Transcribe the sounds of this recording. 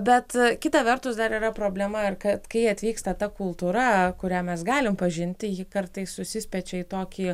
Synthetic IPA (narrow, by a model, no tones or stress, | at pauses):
bʲɛt̪kʲɪt̪ɐʋʲɛrt̪ʊsd̪ɐɾiːɾɐpɾoːbʲlʲɛmɐɪrkɐt̪kɐɪɐt̪ʲʋʲiːkst̪ɐt̪ɐkʊlˠt̪uːɾɐkʊɾʲæːmʲɛsɡɑːlʲɪmpɐʒʲɪnʲt̪ʲɪjɪkɐrt̪ɐɪssʊsʲɪsʲpʲɛt͡ʃʲɛiːt̪oːkʲiː